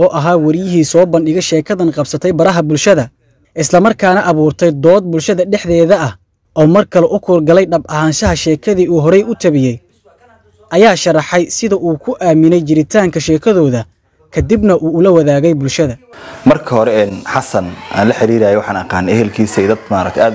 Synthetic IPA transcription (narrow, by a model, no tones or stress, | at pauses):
ɔːʔɐɦaːwɐɾɪjɪɦiːsɔːbɐnɖɪɣɛjʃɛːkʰɐðɐnqɑbsɐt̪ʰɛjbɐɾɐɦɐbʊlʃɐðɐ | ʔɪslɐmɐrkʰaːnɐʔɐβuːrt̪ʰɛjd̪ɔːd̪̚bʊlʃɐðɐɖɛħðɛːðɐɐh | ʔɔːmɐrkʰɐlɔʔʊkʰɔːrɡɐlɛjɖɐbʔɐɦaːnʃɐɦɐʃɛːkʰɐðiːuːɦɔɾɛjʊt̪ʰɐβɪjɛj | ʔɐjaːʃɐrɑħɛjsɪðɐʔuːkʰʊʔaːmɪnɛjt͡ʃɪɾɪt̪ʰaːŋkʰɐʃɛːkʰɐðɔːðɐ | kʰɐd̪ɪbnɐʔuːʊlɐwɐðaːɣɛjbʊlʃɐðɐmɐrkʰɐhɔɾɛɛːnħɑsɐnʔa̰ːnlɐħɪɾiːɾaːjɛwɑħɑːnɐqɑːnɛɦɛlkʰiːsɛːd̪ɐd̪maːɾɐ̰k̚t̪ʰɛaː